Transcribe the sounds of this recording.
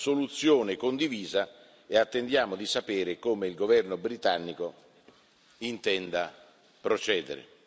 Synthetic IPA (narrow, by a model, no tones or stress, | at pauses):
solut̪sːjoːnɪkond̪iviːza | eat̪ːend̪jaːmʊd̪isapɛːɾɪkoːmɪilɡovɛrnʊbɾit̪anːiko | int̪ɛnd̪a | pɾot͡ʃɛːd̪ɪ̰ɾɪ̰